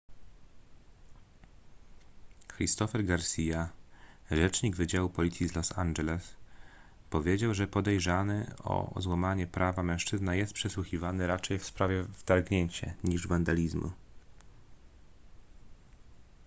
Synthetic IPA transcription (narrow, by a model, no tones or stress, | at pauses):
xɾist̪ɔfɛɾɡaɾsʲija | ʐɛt͡ʂɲiɡvɘd͡ʑawupɔlʲit̪sʲjizlɔsand͡ʒɛlɛs | pɔvʲjed͡ʑawʐɛpɔd̪ɛjʐanɘɔ̰zwamaɲɛpɾavamɛ̃w̃ʂt͡ʂɘznajɛst̪pʂɛswuxʲivanɘɾat͡ʂɛjfspɾavʲjɛvt̪aɾɡɲeɲt͡ɕɛ̰ɲiʐvand̪alʲizmṵ